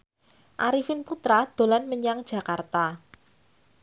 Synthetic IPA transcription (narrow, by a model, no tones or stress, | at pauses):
ʔaɾifɪnput̪ɾad̪̥o̤lanməɲaŋd̥ʒ̥ä̤kart̪a